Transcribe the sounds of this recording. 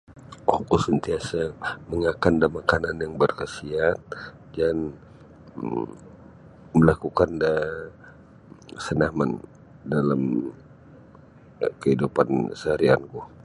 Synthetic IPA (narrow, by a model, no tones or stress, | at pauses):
wakusənt̪iasaməŋakandəmakananjaŋbərkəsiat̪̚ | d͡ʒan | məlakukanda | sənaman | dalam | kəidupansaaɾia̰nku